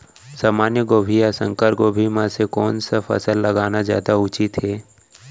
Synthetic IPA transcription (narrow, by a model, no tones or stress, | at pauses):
saːmaːnjəɡoːbʱijasə̃ŋkəɾɡoːbʱimãsekɔːnsafʰɐ̰səlːɐɡaːnazja̰ːd̪aʊt͡ʃit̪ɦeː